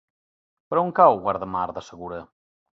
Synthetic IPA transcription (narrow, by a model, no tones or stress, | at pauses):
pəɾɔuŋkawɣwaɾðəmaɾðəsəɣuɾə